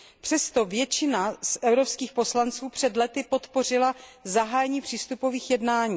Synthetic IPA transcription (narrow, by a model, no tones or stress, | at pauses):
pr̝̥ɛst̪ovjɛt͡ʃɪnasʔɛvwɾo̞pskiːxpo̞slant͡suːpr̝̥ɛd̪lɛt̪ɪpo̞t̪po̞r̝ɪlazaɦaːjɛɲiːpr̥iːst̪upo̞viːxjɛdnaːɲiː